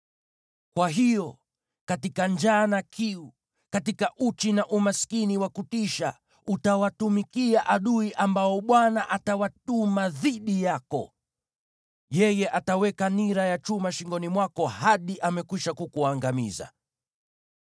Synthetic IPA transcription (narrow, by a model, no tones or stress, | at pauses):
kwaɦijɔ | katikand͡ʒaːnakʰiu | katikaʔut͡ʃinaʔumaskiniwakutiʃa | utawatumikiaʔaɗuiʔambaɔɓwanaʔatawatumaðiɗijakɔ̰ | jɛjɛʔatawɛkaniɾajat͡ʃumaʃiŋɡɔnimwakɔhaɗiʔamɛkwiʃakukuaŋɡamḭza̰